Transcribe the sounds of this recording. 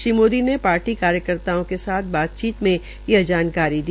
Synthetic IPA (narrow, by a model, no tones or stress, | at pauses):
ʃimoːd̪inepaːɾʈikaːɾjəkəɾt̪aːõkesaːt̪̚ʰbaːt̪̚t͡ʃiːt̪mẽ | jed͡ʒaːnkaːɾid̪i